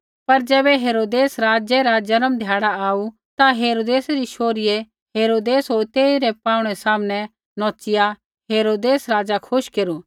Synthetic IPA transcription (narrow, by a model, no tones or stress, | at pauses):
pɐɾd͡ʒɛːbɛɦeːɾoːd̪eːsɾaːd͡ʒɛɾad͡ʒɐnəmd̪ʱjaːɽaaːu | t̪aɦeːɾoːd̪eːsɾiʃoːɾɪjɛ | ɦeːɾoːd̪eːsɦoːɾt̪eːiɾɛpaːʊ̃ɽ̃ɛsaːmnɛ | nɔ̃ːt͡ʃɪja | ɦeːɾoːd̪eːsɾaːd͡ʒakʰʊʃkeːɾu